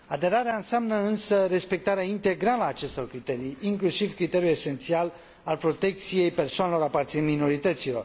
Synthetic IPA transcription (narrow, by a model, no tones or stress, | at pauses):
ad̪e̞ɾaɾeaɨnseamnəɨnsəɾe̞spe̞k̚t̪aɾeaint̪e̞ɡɾaləaːt͡ʃe̞st̪o̞rkɾit̪e̞ɾijiŋklusivkɾit̪e̞ɾjule̞se̞nt̪sial | alpɾo̞t̪e̞k̚t̪sije̞jpe̞rsoanelo̞ɾapart̪siɨnmino̞ɾit̪ət̪silo̞r